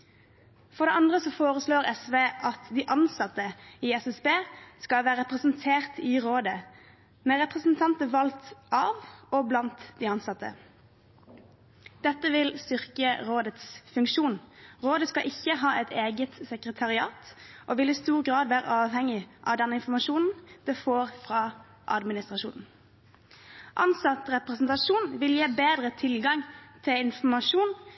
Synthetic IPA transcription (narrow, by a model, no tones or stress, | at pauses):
fɔʁd̪ɛʔɑnd̪ʁəsɔfoːʁəsloːʁɛsʋeːʔɑt̪d̪iʔɑnsɑt̪ːəiɛsɛsbeːskɑʋæːɾəʁɛpʁəsn̩t̪ʰeːʁt̪ʰɪʁoːd̪ə | mɛʁɛpʁəsn̩t̪ʰɑnt̪əʋɑlt̪ɑːʋɔblɑnt̪d̪ɪɑnsɑt̪ːə̰ | d̪̥ɛt̪ːəʋɪlst̪ʏʁkəʁoːd̪ət̪sfʉŋkʃuːnʁoːd̪əskɑʔɪçːəɦɑːʔɛt̪ʰeːɡət̪sɛkʁət̪ʰɑʁɪɑːt̪ʔoʋɪlɪst̪uːʁɡʁɑːd̪ʋæːɾə̰ʔɑːʋhɛŋɪʔɑ̰ʋd̪ɛnːəɪnfɔmɑʃuːnn̩d̪̥efoːʁfʁɑ | ʔɑ̰d̪mɪnɪst̪ʁɑʂṵːnn̩ | ʔɑ̰nsɑt̪ʁɛpʁɛsnt̪ɑʃuːnʋɪljeːbeːd̪ʁət̪ʰɪlɡɑŋt̪ʰɪlɪnfɔmɑʃuːn